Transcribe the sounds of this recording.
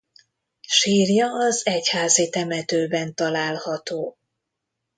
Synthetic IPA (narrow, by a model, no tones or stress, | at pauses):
ʃiːrjɒːzɛchaːzit̪ɛmɛt̪øːbɛnt̪ɒlaːlhɒt̪oː